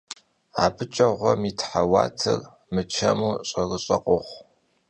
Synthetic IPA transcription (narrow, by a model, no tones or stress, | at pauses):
aːpʰɨt͡ʃʼɐʁʷɔmiːtʰħawɑ̰ːtʰɨr | mɨt͡ʃʰɐmuːɕʼɐɣɨɕʼɐqʷʼʊχʷ